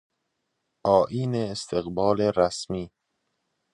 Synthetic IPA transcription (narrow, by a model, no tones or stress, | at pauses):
ʔɒːʔiːneːst̪ʰeɣbɒːleɾæsmiː